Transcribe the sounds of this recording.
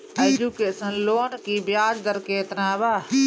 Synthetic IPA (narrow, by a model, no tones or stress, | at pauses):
ed͡ʒukeːsənloːnkibjaːd͡ʒd̪əɾkeːt̪naːbaː